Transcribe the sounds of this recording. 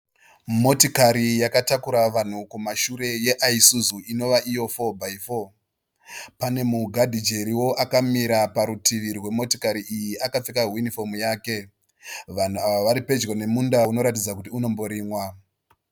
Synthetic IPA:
mo̞tikaɾijakatakuɾaʋan̤ukumaʃuɾe̞je̞ʔaisuzuino̞ʋaʔijo̞fo̞bʱaifo | pane̞muɡʱadʱid͡ʒe̞ɾiwo̞ʔakamiɾapaɾutiʋirwe̞mo̞ti̥kaɾiʔijiʔakap͡fikaɦunifo̞mujaːke̞ | ʋan̤uaʋaʋaɾipe̞d͡ʒɡone̞mundauno̞ɾat̬id͡zakutiuno̞mbo̞ɾiːmwa

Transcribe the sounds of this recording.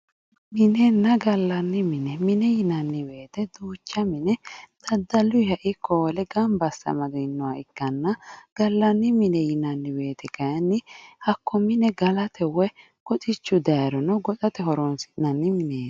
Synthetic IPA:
mɪnɛnːɐɡɐlːɐnːɪmɪnɛmɪnɛjɪnɐnːɪwe̞ːt̪ɛd̪uːt͡ʃːɐmɪnɛd̪̥ɐd̪ːɐlːʊhɐʔɪkʰːɔwɔlɛɡɐmbɐsːɐ̰mɐɡɪnːɔwɐɪkːɐnːɐɡ̥ɐlːɐnːɪmɪnɛjɪnɐnːɪwe̞ːt̪ɛkɐjnːɪhɐkʰːɔmɪnɛɡɐlɐt̪ʰɛwɛ | kɔt͡ʃʼɪt͡ʃːʊd̪ɐjɾɔnɔɡɔtʼɐt̪ɛɦɔɾɔnsɪ̥nɐnːɪmɪneːn

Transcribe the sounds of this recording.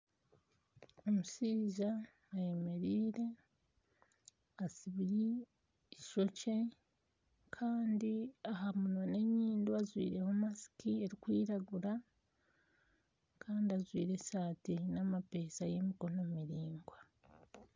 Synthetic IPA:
o̞musiːʒaː | je̞me̞ɾiːɾe̞ | asiβi | ʃo̞ce̞ | kʰaːndiahamunane̞ɲiːnduazwḭːɾe̞homasi̥kie̞ɾikwiːɾaɡuɾa | kʰaːndiazwiːɾe̞saːtinamape̞ːsaje̞miko̞nomiɾiːŋɡwa

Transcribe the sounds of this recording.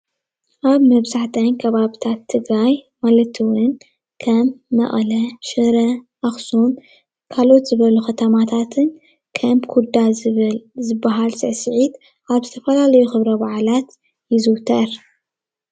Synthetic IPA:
ʔaβmɐβzaħt̪ʰɐnkʰɐβaβit̪ʰat̪ʰːɨɡɾaj | malɐt̪ʰiwʊn | kʰɐmːɐ̰ʔʼlɐʃɨɾɐʔaxsun | kʰalo̞t̪zɨβɐluxɐt̪ʰɐmat̪ʰat̪ʰɨn | kʰɐmbkʰud̪a | zɨbːaɦalsɨʕsɨʕit̪ | ʔaβzɨt̪ʰɐfɐlalɐjuxɨβɾɐbaʕlat̪ | jɪzɨwt̪ʰɐɾ

